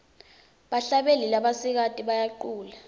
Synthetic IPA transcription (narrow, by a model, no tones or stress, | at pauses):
ɓaɬaɓelilaɓasik̬atʼiɓajaǃuːla